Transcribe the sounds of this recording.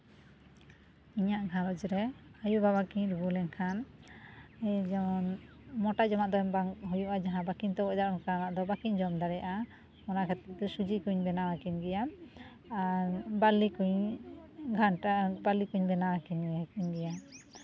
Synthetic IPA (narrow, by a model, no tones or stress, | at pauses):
iɲaʔɡʱaɾɔd͡ʒɾɛajubaβakiɲɾubulɛŋkʰan | ɛd͡ʒamɔn | mɔʈaʔd͡ʒɔmaʔd̪ɔɛmbaŋɦujuʔad͡ʒaɦãbakiɲt̪ɔbɔd̪aɾkanaʔd̪ɔbakiɲd͡ʒɔmd̪aɾɛjaʔa | mɔnakʰɛt̪ɛd̪ɔsud͡ʒikuɲbɛnawakiɲɡɛja | aɾbalikuɲ | ɡʱanʈabalikuɲbɛnawakiɲɛkuɲɡɛja